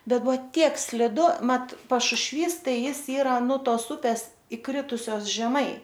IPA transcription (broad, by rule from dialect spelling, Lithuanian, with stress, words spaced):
ˈbʲɛt ˈbʊʋoː ˈtʲiɛk sʲlʲɪˈdʊ ˈmɐt pɐʃʊʃʲˈʋʲiːs ˈtɐɪ ˈjɪs ˈiːrɐ nʊ ˈtoːs ˈʊpʲɛs ɪˈkrʲɪtʊsʲoːs ʒʲɛˈmɐɪ